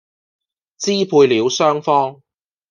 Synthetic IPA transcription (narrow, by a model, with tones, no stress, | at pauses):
t͡siː˥pʰuː˧jliː˨˧wsœː˥ŋfɔː˥ŋ